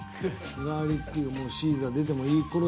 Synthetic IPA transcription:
ɡaːɾʲitːiomoːɕiːzɨad̪e̞t̪̬e̞mo̞iːkoɾo

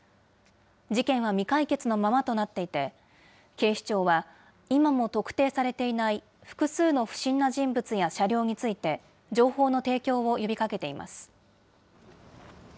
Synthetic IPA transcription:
d͡ʑikẽ̞ɰ̃βamʲikaike̞t͡sɨno̞mamat̪o̞nat̪ːe̞it̪e̞ | ke̞ːɕi̥t͡ɕo̞ːβa | imamo̞t̪o̞kɯ̟̥t̪e̞ːsaɾe̞t̪e̞inai | ɸɯ̟̥kɯ̟sɨːno̞ɸɯ̟̥ɕĩnːaʑĩmbɯ̟t͡sɨjaɕaɾʲo̞ːɲ̟it͡sɨit̪e̞ | d͡ʑo̞ːho̞ːno̞t̪e̞ːkʲo̞ːo̞jo̞bʲikake̞t̪e̞imʔa̰sɨ̥

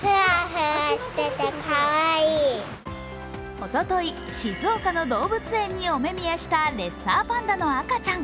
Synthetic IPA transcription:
hɯaɦɯaɕi̥t̪et̪ːekʰaβaiː | o̞t̪o̞t̪o̞i | ɕizɨokano̞d̪o̞ːbɯ̟t͡sɨẽ̞ɲ̟ːio̞me̞mʲijaɕi̥t̪aɾe̞saːpãnd̪ano̞akat͡ɕãŋ

